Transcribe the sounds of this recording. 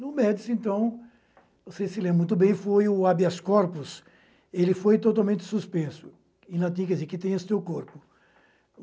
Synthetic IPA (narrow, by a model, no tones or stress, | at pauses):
nʊmɛd̪ɪsẽnt̪ɐ̃w̃ | osesɪlẽbɾɐmũt̪ʊbẽj̃fojʊabiaskɔɾpʊs | elɪfojt̪ot̪awmẽnt̪ɪ̥suspẽsʊ̥ | ĩlat̪̬ĩɐkɛd̪izeɾkɪt̪ẽj̃ɐst̪ewkoɾpʊ